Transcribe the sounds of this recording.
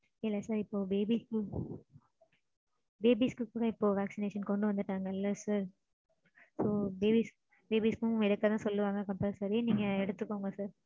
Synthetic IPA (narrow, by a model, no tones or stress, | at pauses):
ɪlːaːsaːɾɪpːoːbeːbiskɯ | beːbiːskɯkuːɽɐɪpːoːʋaːksɪneːʂɐnkɔɳɖɯʋɐnd̪ɯʈːaːŋɡɐɪlːɐsaːɾ | soːbeːbis | beːbiːskʊ̃ɛɽɯkːɐt̪ãːsɔlːɯʋaːŋɡɐkɐmpɐɾsaːɾeːniːŋɡɐɛɽɯt̪ːɯkːoːŋɡɐsaːɾ